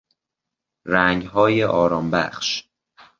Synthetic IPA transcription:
ɾæŋɡɦɒːjeʔɒːɾɒːmbæ̰χʃ

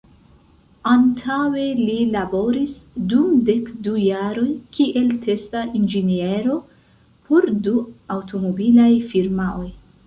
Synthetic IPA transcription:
antʰawe̞lilabo̞ɾisdumde̞kdujaɾo̞jkiʔe̞ltʰe̞staʔind͡ʒenie̞ɾo̞ | pʰo̞ɾduawto̞mobilajfiɾmao̞j

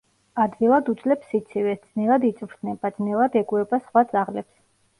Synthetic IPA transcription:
ad̪ɡilˠad̪ut̪sʼlɛpsit̪sʰivɛd̪sʼnɛlˠad̪it̪sʼvɾd̪ʰnɛbad̪zʼnɛlˠad̪ɛɡuɛbasχwat̪sʼaʁlɛps

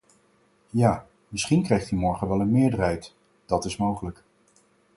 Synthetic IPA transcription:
jaː | mɪsχinkrɛjχtymɔɹχəʋɛlˠənmɪːɹdərɦɛjt | d̥ɑtɪsmowχələk

